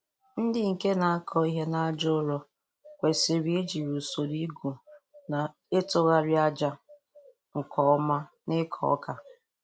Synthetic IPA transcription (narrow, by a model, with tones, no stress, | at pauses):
n̩˦dɪ˦ŋ̩˨ke˦na˨a˦kʰɔ˦i˦ɦe˦na˦a˦d͡ʒʊ˦ɾɔ˦ | kʷe˨si˨ɾi˦e˦d͡ʒi˨ɾu˨so˨ɾi˦ɡu˨ | na˨ | e˦tʊ˦ɣa˦ɾi˦a˦d͡ʒa˦ | ŋ̩˨kɔ˨ɔ˦ma˦ | nɪ˦kʰɔ̰˨ɔ̰˦ka˨